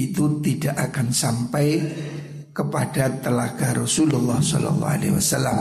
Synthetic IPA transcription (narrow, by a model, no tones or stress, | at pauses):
it̪ut̪iɖ̥aʔakansampaj | kəpaɖ̥at̪əlaɡ̥aɾɔsululːɑhsɔ̰lɔ̰lːɑ̰a̰lḛwa̰salːam